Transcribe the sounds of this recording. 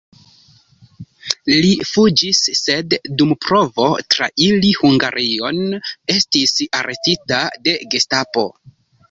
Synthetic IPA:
lifud͡ʒisːe̞dːumpɾo̞vo̞tɾa̰ʔilihuŋɡaɾʔio̞ne̞stisaɾʔe̞titade̞ɡestapo̞̰

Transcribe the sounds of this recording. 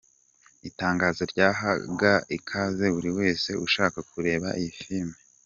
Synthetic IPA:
itaːŋɡaːzoɾɟaːɦaɡaikʰaze̞βuɾiwe̞ːse̞uʃaːkakuɾe̞ːβaʔifiɾme

